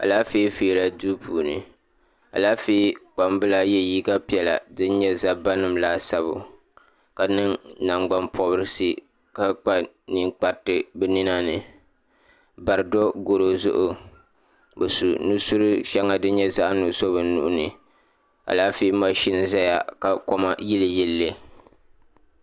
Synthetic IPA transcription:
a̰˨laː˦feː˦feː˦la˦˨duː˦pʰuː˨nɨ̰˨ | a̰˨laː˦feː˦k͡pa˨mbɨ˦la˨jɛ˦jiː˦ɡa˦pi˨˦ɛ˨la̰˨dɨ˦n˦ɲɛ˦za˨ba˦nɨ˨mla˦sa˦bʊ̰˨ | ka˨nɨ˦ŋna˨ŋɡ͡ba˦mpʰɔ˦bɨ˦ɾɨ˦si˦ | ka˨k͡pa˦ | ni˨ŋk͡pa˨ɾtɨ˦bɛ˦ni˦na˦nɨ˨ | ba˨ɾɨ˨dɔ˦ɡo˨ɾo˦zʊ˦ʔʊ˦ | bɨ˨su˨nu˦su˦ɾɨ˦ʃɛ˦ŋa˨dɨ˦n˦ɲɛ˦za˦ʔnu˨˦so˦βɨ˨nː˦u˨ʔʊ˦nɨ˨ | a̰˨laː˦fi˦ma˦ʃi˦n˨za˦ja˨ka˨ko˦ma̰˦ji˦lɨ˨ji˦lːe˦

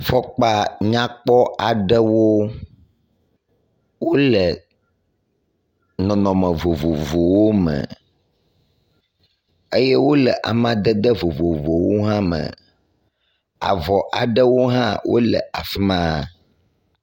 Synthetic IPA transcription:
fɔ˦k͡pa˦ɲã˦k͡pɔ˦ʔa˨ɖə˦wo˦ | wo˦lɛ˨ | nɔ̃˨nɔ̃˨mə̃˨vo˨vo˨vo˨wo˦mə̰̃˨ | e˦jɛ˦wo˦lɛ˨ʔa̰˨mã˦d̪ə˦d̪ə˦vo˨vo˨vo˨wo˦ɦã˦mə̰̃˨ | a̰˨vɔ˨ʔa˨ɖə˦wo˦ɦã˦wʔo̰˦lə̰˨ʔa˨fi˦mã˦˨

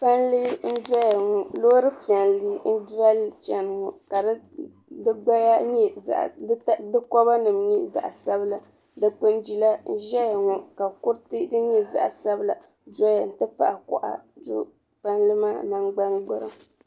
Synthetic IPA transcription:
pa˦nlɨ˦n̩˦dɔ˦ja˨ŋɔ˨loː˦ɾɨ˦pi˨ɛ˨nliː˦n̩˦da˦lt͡ʃɛ˨n˨ŋɔ˨ka˨˦ | dɨ˦ɡ͡ba˦ja˦ɲɛ˦za̰˨ʔtdɨ˦kɔ˦ba˦nɨ˨mɲi˦za̰˨ʔa˨sa˦bɨ˦la˨ | dɨ˦k͡pɨ˦nd͡ʒi˨la˦n̩˦ʒɛ˦ja˨ŋɔ˨ka˨kʊ˦ɾtɨ˦dɨ˦ɲɛ˦za̰˦˨ʔsa˦bɨ˦la˨ | dɔ˦ja˨n̩˨tɨ˦pa̰˨ʔa˨kɔ̰˨ʔa̰˨dṵ˦ | pa˦nlɨ˦maː˦˨na˦ŋɡ͡ba˦ŋɡ͡bɨ˦ɾɨ˨m

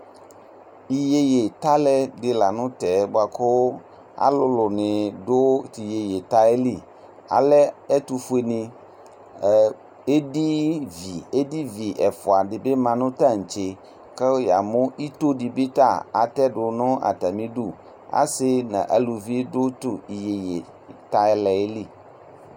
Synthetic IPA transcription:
i˨je˦je˨t̪a˦lɛ˦dɪ˨la˨nʊ̃˦t̪ɛ˨˦bo˦a˨kʰo˦ | a̰˨lʊ˦lʊ˨nɪ̃˨ɖo˦ti˨je˨je˨t̪a˦e˦li˦˨ | a̰˨lɛ˦ɛ˦t̪u˨fu˦e˨nĩ˨ | e˦di˦vi˨e˦di˦vi˨ʔɛ˨fʊ˨a˨ɖɪ˨be˦mã˨nʊ̃˦t̪a˦˨ŋ̩˨t͡ʃe˨ | ke˦ja˨mʊ̃˦ʔi˦t̪o˦di˨bi˦t̪a˦˨a̰˨t̪ɛ˦ɖʊ˨nʊ̃˦ʔa̰˨t̪a˨mĩ˦ɖu˦˨ | a̰˦sɪ˦nã̰˨ʔa˨lu˨vi˦dʊ˦t̪ʊ˨i˨je˨je˨ | t̪a˦ɛ˦lɛ˨e˦li˦˨

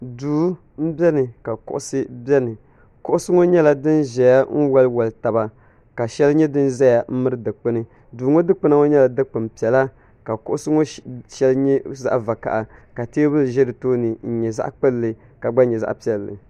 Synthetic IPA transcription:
duː˨˦ | m̩˦bɛ˦nɨ˨ka˨kʊ̰˦ʔʊ˦sɨ˦bɛ˦nɨ˨ | kʊ˦ʔʊ˦sɨ˦ŋo˦ɲɛ˦la˨dɨ˦nʒɛ˨ja˦ŋ̩˦wa˦lwa˨lta˨ba˨ | ka˨ʃɛ˦lɲɛ˦dɨ˦nzɛ˦ja˨m̩˦mɨ˦ɾɨ˦dɨ˨k͡pɨ˦nɨ˦˨ | duː˨ŋo˦dɨ˦k͡pɨ˦na˦ŋo˦ɲɛ˦la˨dɨ˦k͡pɨ˨mpi˨ɛ˨la˦ | ka˨kʊ̰˦ʔʊ˦sɨ˦ŋo˦ʃɛ˦lɲɛ˦za̰˦ʔva˨ka̰˨ʔa˨ka˨te˦bɨ˦lʒɛ˦dɨ˨toː˦nɨ˨n̩˨ɲɛ˨za̰˦ʔk͡pɨ˦lːɨ˨ | ka˨ɡ͡ba˦ɲɛ˨za˦ʔpi˨ɛ˨lːɨ̰˨

